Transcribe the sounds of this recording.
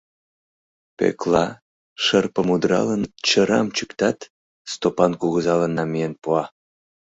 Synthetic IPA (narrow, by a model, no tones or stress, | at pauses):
pḛklɑ | ʃərpəmud̪ɾɑ̰lənt͡ɕəɾɑmt͡ɕukt̪ɑt̪ | st̪opɑnkuɣəzɑlənːɑmijenpuɑ